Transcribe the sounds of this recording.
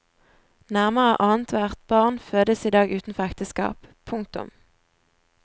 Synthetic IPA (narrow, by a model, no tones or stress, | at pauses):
næʁməʁə̰ʔɑːnt̪ʰʋæʁt̪̚bɑʁnføːd̪əsiːd̪ɑːɡʉːt̪n̩fɔʁɛkt̪əskɑ̰ːppʰʊŋk̚t̪ʊ̰m